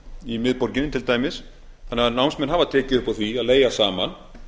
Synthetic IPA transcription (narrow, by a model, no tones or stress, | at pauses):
imɪðpɔɾcɪnɪt̪ʰɪlt̪aːjmɪs | θanːɛanawmsmɛnɦavaðt̪ʰɛːcɪʏhpawθviaðleːjasaːman